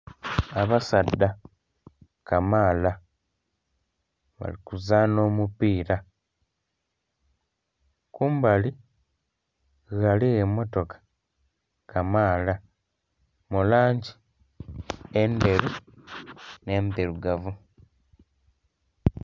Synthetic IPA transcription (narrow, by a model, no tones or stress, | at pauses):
aβasadːa | kamaːla | βa̰likuzaːno̞ːmupiːɾa | kuːmbali | ɣaliemo̞to̞kḁ | kamaːla | mulaːɲɟi | ende̞ɾu | ne̞ːmbeɾuɡavu